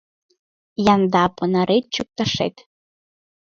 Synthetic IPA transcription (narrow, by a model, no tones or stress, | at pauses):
jɑnd̪ɑpɤnɑɾʔet̪̚t͡ɕuk̚t̪ɑʃḛt̪